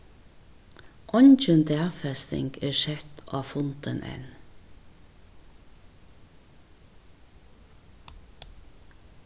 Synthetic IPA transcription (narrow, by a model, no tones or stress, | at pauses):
ʔɔnt͡ʃənd̪æːʁfɛst̪ɪ̰ŋɡeːʃɛt̪ʔɑːfʊnt̪ənʔɛ̰n